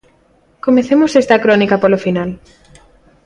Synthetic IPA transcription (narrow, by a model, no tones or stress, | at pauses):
komeθemosest̪ɐkɾɔnikɐpolofinal